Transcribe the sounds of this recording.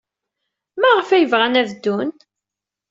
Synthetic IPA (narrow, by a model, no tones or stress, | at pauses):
mæʁəfæjəvʁænævd̪ːun